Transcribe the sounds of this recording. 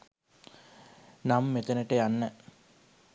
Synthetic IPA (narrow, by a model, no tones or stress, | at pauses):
namːet̪ənəʈəjanːə